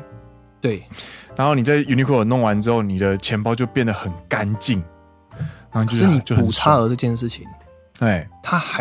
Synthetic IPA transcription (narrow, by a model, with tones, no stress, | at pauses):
t̪we˥˩ɪɻa˧˦nxo˥ʊni˨˩t͡sa˥˩ɪju˧ni˧kʰɔ˥˩ə˨˩nɔ˥˨ŋwa˧˦nʈ͡ʂɻ̩˥xo˥˩ʊni˨˩d̪ə˦t͡ɕʰjɛ˧˥npɑ˥˧ʊt͡ɕjo˥˧ʊpjɛ˥˩nd̪ə˩xə˨˩nka˦nt͡ɕi˥˨ŋ | ɻa˨˥o˥˨t͡ɕʰo˥˧ʂ̩˥˩ni˨˩t͡ɕo˥˧ʊxəu˨˩t͡sʰa˥ə˧ʈ͡ʂɤ˥˧t͡ɕjɛ˥˧nʂ̬ɻ̩˥˩t͡ɕʰi˨˦ŋ | t̪we˥˩ɪt̪ʰa˦˥xa˧